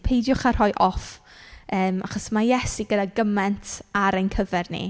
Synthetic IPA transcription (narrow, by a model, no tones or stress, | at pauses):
pʰejdjʊχar̥hɔjʔɔf | əːmaχɔsmajɛsiɡədaɡəmɛntʰaɾejnkʰəvɛrnḭ